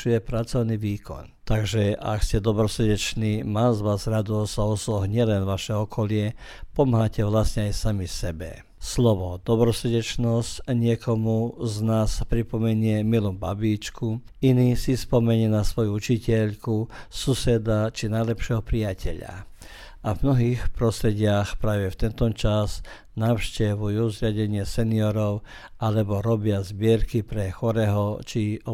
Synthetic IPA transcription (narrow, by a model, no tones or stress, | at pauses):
ujɛpɾat͡sɔʊniʋiːkʰɔ̰nt̪aɡʒɛʔa̰kscɛd̪ɔbɾɔsr̩ɟɛt͡ʃniːmazʋazɾad̪ɔɔsaɔsɔɦɲɪɛlɛnʋaʃɛɔkʰɔlɪɛ | pɔmɦacɛʋlasɲɛajsamisɛbɛ̰ | slɔʋɔd̪ɔbɾɔsr̩ɟɛt͡ʃnɔscɲɪɛkɔmuznaːspɾipɔmɛɲɪɛmilubabiːt͡ʃku | inisispɔmɛɲɪɛnasʋɔjuut͡ʃicɛʎkususɛd̪at͡ʃinajlɛpʃɛɦɔpɾijacʰɛʎa̰ | ʔavmnɔɦiːxpɾɔst̪ɾɛɟɪaxpɾaːʋɛft̪ɛnt̪ɔt͡ʃaz | naːʊʃcɛʋujuzɾɪaɟɛɲɪɛsɛniɔɾɔʊ | ʔalɛbɔɾɔbɪazbɪɛɾkipɾɛxɔɾɛɦɔt͡ʃiɔ